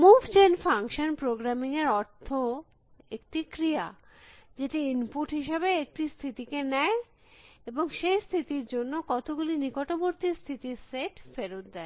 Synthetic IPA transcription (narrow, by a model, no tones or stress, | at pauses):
mubd͡ʑenfaŋkʃonpɾoɡɾamiŋeɾɔɾt̪ʰo | ek̚ʈikɾia | d͡ʑeʈiinpuʈɦiʃebeek̚ʈist̪ʰit̪ikenɛe | eboŋʃejst̪ʰit̪iɾd͡ʑonːokɔt̪oɡulinikoʈoboɾt̪ist̪ʰit̪iɾseʈfeɾot̪d̪ɛe